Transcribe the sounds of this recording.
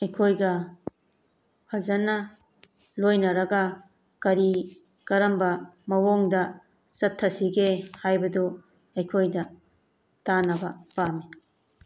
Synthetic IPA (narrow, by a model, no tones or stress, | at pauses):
ɐjkʰojɡɐ | hʰɐzɐnɐ | lojnɐɾɐɡɐ | kɐɾi | kɐɾɐmbɐmɐwoŋdɐ | sɐtʰːɐsiɡehajbɐdu | ɐjkʰojdɐ | tanɐbɐpami